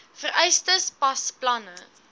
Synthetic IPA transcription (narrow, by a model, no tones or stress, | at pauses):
fəɾɛjstəspɐsplɐnə